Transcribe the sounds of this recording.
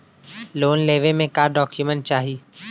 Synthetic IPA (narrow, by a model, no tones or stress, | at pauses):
loːnleːʋemẽkaːɖɔːkjumə̃ɳʈ̚t͡ʃaːɦiː